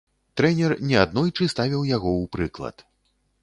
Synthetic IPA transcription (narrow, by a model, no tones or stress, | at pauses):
t̪ɾɛnʲɛrnʲɛad̪nɔjt͡ʂɨst̪avʲiwjaɣɔwpɾɨklˠɐ̰t̪